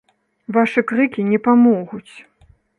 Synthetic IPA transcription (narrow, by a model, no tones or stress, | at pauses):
vaʂɨkɾɨkʲinʲɛpamɔɣut͡sʲ